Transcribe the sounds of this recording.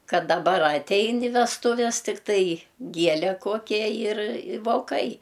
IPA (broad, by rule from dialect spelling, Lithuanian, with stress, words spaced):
ˈkɐt dɐˈbɐr ɐˈtʲɛɪn ɪ ʋʲɛstʊˈʋʲɛs tʲɪkˈtɐɪ ˈɡʲiɛlʲɛ ˈkoːkʲɛ ˈjɪr ɪ ʋoːˈkɐɪ